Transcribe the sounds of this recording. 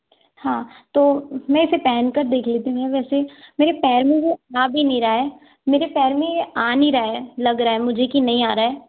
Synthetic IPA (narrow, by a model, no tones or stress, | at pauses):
hãːt̪oːmɛ̃ɪsepɛːnkəɾd̪eːkʰleːt̪iɦũɡeʋɛːsemeːɾepɛːɾmĩjeaːbʱinĩɾaːɛː | meːɾepɛːɾmĩeaːnĩɾaːelɐɡɾaːɛmʊd͡ʒʱekinɐɦĩaːɾaːɛː